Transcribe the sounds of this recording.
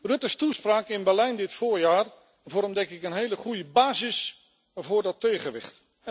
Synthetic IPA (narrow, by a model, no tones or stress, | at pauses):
rɵtəstuspraːkɪnbɛɹlɛjndɪtfʊːɹjaːr | vɔɾəmdɛŋkɪkənɦejləχujəbaːzɪs | vʊːɹdɔtejχəʋɪ̰χt